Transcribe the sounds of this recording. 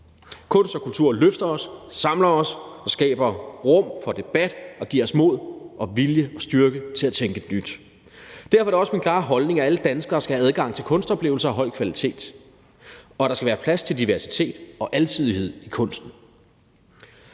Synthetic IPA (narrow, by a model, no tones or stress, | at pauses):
kʰɔ̽n̰sd̥ɒ̽kult͡sʰuɐ̰løfd̥ɐɒ̽ssɑ̈mlɐɒ̽sɑsɡ̥ɛ̰ːb̥ɐʁɔ̽m̰fɒ̽d̥e̝b̥æd̥ɒ̽ɡ̥ḭːɐɒ̽smo̝ð̞̰ˠʔɒ̽ʋiljəɒ̽sd̥yɐɡ̥ət͡sʰe̝læt͡sʰeŋɡ̥ənyd̥ | d̥æɐfɒæɾeɪ̝ɒ̽sminkʰlɑ̈ːɦɒ̽lne̝ŋææləd̥ænsɡ̥ɐːsɡ̥æhææð̞ˠɡ̥ɑ̈ŋ̰t͡sʰe̝lkʰɔ̽nsd̥ɒ̽b̥le̝ːʊl̩sɐɒ̽ɦɒ̽ɪ̰kʰʋælit͡sʰe̝̰ːd̥ | ɒ̽ɾ̥ɑsɡ̥æʋæːɐpʰlæst͡sʰe̝ld̥iʋæɐsi̥t͡sʰe̝̰ːd̥ɒ̽ʔælsʰið̞ˠiɦe̝ð̰ˠikʰɔ̽n̰sd̥n̩